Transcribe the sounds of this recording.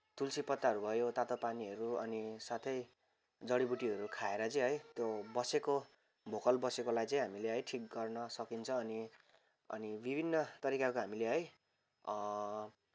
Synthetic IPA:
t̪ulsipʌt̪ːaʌɾubʱʌjot̪at̪opaniɦʌɾuʌnisat̪ʰʌj | d͡zʌɽibuʈiɦʌɾukʰaeɾʌt͡sʌ̃ĩɦʌjt̪jobʌseko | bʱokʌlbʌsekolajt͡sʌĩɦamileɦʌjʈʰik̚ɡʌrnʌsʌkint͡sʰʌ̃ːni | ʌ̰nibibʱinːʌt̪ʌɾikakoɦamileɦʌj

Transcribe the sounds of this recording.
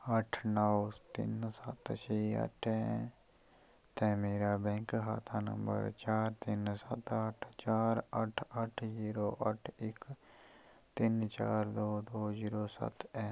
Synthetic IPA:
əʈʰnɔwt̪ɪ̰nsə̰t̪t͡ʃiːə̰ʈʰɛ̃ː | t̪ɛːmeːɾaːbɛ̃ŋkɦa̰ːt̪ʰaːnə̰̃mbə̰ɾt͡ʃaːɾt̪ɪnsət̪əʈʰt͡ʃaːɾəʈʰəʈʰziːɾoːʔəʈʰɪk | t̪ɪnt͡ʃa̰ːɾd̪oːd̪oːziːɾoːsə̰t̪ɛ̃ː

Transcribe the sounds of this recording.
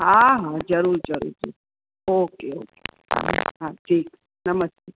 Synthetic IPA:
ɦaɦãd͡ʒɐɾuɾd͡ʒəɾṵɾd͡ʒḭ | okeoke̥ɦa̰ɦãʈʰiːk | nəməst̪e

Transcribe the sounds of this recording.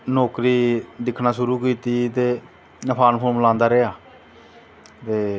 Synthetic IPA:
noːkɾiːd̪ɪkʰːnaːʃʊɾuːkiːt̪iːt̪eː | nəpʰaːnpʰoːmlãːnd̪aːɾeːaː | t̪eː

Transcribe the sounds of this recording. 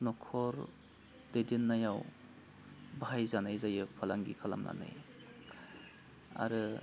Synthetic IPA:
nɔkʰɔɾ | d̥edenːajaw | bajzanajzajɯpʰalaŋɡḭkʰala̰mna̰na̰j | a̰ɾɯ

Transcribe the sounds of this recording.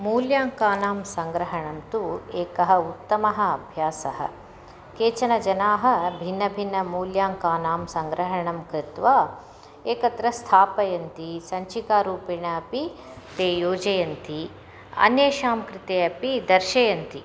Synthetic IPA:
muːljaːŋkaːnaːmsɐŋɡɾɐɦɐɳɐmt̪ueːkɐɦɐ̆ut̪ːɐmɐɦɐ̆ɐbʱjaːsɐɦɐ̰ | keːt͡ʃɐnɐd͡ʒɐnaːɦɐ̆bʱinːɐbʱinːɐmuːljaːŋkaːnaːmsɐŋɡɾɐɦɐɳɐmkɾɪt̪ʋaː | eːkɐt̪ɾɐst̪ʰaːpɐjɐnt̪isɐɲt͡ʃikaːɾuːpiɳɐɐpi | t̪eːjoːd͡ʒɐjɐnt̪i | ɐ̰njeːʃaːmkɾɪt̪eːɐpid̪ɐɾʃɐjɐnt̪i

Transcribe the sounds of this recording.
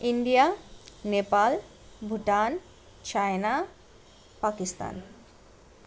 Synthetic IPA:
iɳɖijanepal | bʱuʈan | t͡ɕaena | pakist̪a̰n

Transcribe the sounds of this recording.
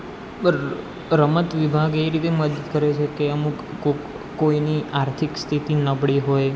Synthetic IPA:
ɾəmət̪ʋibʱaɡeɾit̪eməd̪ət̪kəɾet͡ʃʰekeəmũko | koiniaɾt̪ʰikst̪ʰit̪inəbɽiɦoj

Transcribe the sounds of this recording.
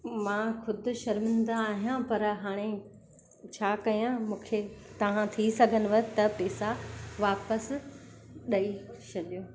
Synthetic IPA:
mãːxʊd̪ʱʊ̆ʃɐɾmɪ̃nd̪aːɦijãpɐɾɦaːɽ̃e | t͡ɕʰaːkɐjãmũːkʰet̪ɐʋ̤ãt̪ʰisɐɡʱənɪ̆ʋɐt̪ɐpɛːsaʋaːpəs | ɗɐi | t͡ɕʰɐlijoː

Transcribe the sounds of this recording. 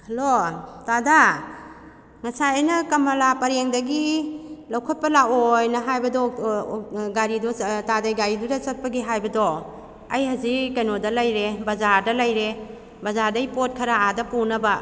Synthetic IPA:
hɐlotada | ŋɐsajajnɐkɐmɐlapɐɾeŋdɐɡilɐwkʰɔt̚pɐlaojnɐɦajbɐdɔ | ɡaɾidɔtadajɡaɾidudasɐt̚pɐɡiɦajbɐdɔ | ɐjhazikajnodalajɾebɐzaɾdɐlajɾe | bɐzaɾdajipot̚kʰɐɾaadɐpunɐba

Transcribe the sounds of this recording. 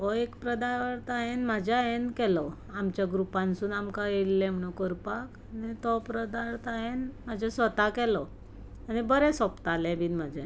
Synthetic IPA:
ʋɔekpɾəd̪ajʋəɾt̪aɦenmad͡ʑʱaenkɛlɔ | amt͡ɕjaɡɾupãnsuːnamkãjeliːɛm̤əɽ̃ũkəɾpak | nit̪ɔpɾəd̪aɾt̪aɦenmad͡ʑʱɛsʋət̪akɛlɔ | añibəɾɛ̃sɔpt̪alɛ̃bʱiːnm̤ad͡ʑʱa

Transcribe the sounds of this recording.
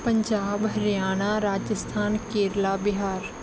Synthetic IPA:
pə̃ɲd͡ʒaːbɦɐɾjaːñaɾaːd͡ʒəst̪ʰaːnkeːɾlabɪɦaːɾ

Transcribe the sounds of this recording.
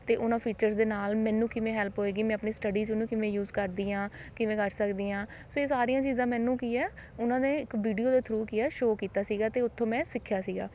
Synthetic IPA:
t̪eːʔʊnãːpʰiːt͡ʃəɾsd̪eːnaːlmɛ̃ːnũːkɪʋẽːɦɛːlpɦoːeːɡiːmɛ̃ːəpniːsʈəɖiːt͡ʃʊnũːkɪʋẽːjuːzkəɾd̪iːãːkɪʋẽːkəɾsəkd̪iːãː | soːeːsaːɾijãːt͡ʃiːzãːmɛ̃ːnũːkiːɛːʊnãːneːɪkʋiːɖijoːd̪aːt̪ʰɾuːkiːɛːʃoːkiːt̪aːsiːɡaːt̪eːʊt̪ʰːõːmɛ̃ːsɪkʰːjaːsiːɡa̰ː

